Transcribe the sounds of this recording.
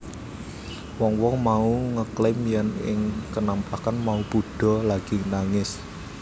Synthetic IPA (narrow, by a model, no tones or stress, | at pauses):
wɔŋwɔŋmauŋəklɪmjanɪŋkənamplakanmaupuɖ̥ɔ̤laɡ̥i̤naŋɪs